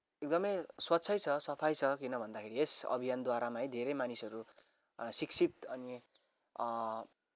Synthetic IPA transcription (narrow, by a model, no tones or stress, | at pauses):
ek̚d̪ʌmʌjswʌtːt͡sʰʌjt͡sʰʌsʌpʰajt͡sʰʌkinʌbʱʌnd̪akʰeɾiesʌ̰bʱijand̪waɾamajd̪ʱeɾejmanisʌɾu | siksʰit̪ʌni